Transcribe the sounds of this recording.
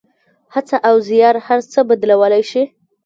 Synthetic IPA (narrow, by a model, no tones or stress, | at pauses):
hat͡saʔawzijɑɾhaɾt͡səbad̪lawəlajʃi